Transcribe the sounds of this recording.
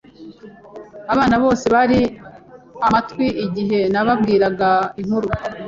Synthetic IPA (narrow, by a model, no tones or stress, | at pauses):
aβaːnaβo̞ːse̞βaɾi | amatwiʔːɟiɦe̞naβabɡiːɾaɡaiŋ̥huɾu